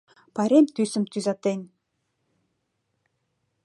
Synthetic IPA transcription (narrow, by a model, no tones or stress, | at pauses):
pɑɾemt̪ysə̆mt̪yzɑt̪en